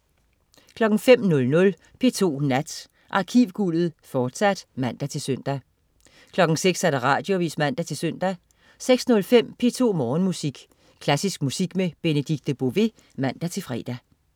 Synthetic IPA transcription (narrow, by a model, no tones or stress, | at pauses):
kʰlɒ̽ɡ̥ŋ̩fem̰nɔ̽lnɔ̽l | pʰe̝̰ːt͡sʰo̝̰ːnæd̥ | ʔɑ̈ːkʰiʊɡ̥ulð̞̩ˠfɒːd̥sæd̥mæn̰d̥æt͡sʰe̝lsøn̰d̥æ | kʰlɒ̽ɡ̥ŋ̩seɡ̥sæɾ̥ɑʁɑ̈ːd̥jo̝ʋḭːsmæn̰d̥æt͡sʰe̝lsøn̰d̥æ | seɡ̥snɔ̽lfem̰pʰe̝ːt͡sʰo̝̰ːmɒːnmusiɡ̥ | kʰlæsisɡ̥̚musiɡ̥meb̥e̝nəd̥iɡ̥̚d̥b̥o̝ʋe̝ | mæn̰d̥æt͡sʰe̝lfʁɛ̰ːd̥æ